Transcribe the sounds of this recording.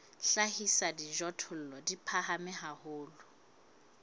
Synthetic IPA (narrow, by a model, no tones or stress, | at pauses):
ɬahisadiʒɔtʰʊl̩lɔdipʰahamɪɦahʊːlʊ